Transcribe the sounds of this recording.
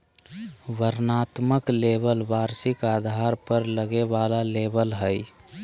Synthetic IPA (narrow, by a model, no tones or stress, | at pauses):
ʋəɾnat̪məklebəlʋaɾsɪkaːd̪ʱaɾpəɾləɡeʋalalebəlɦəj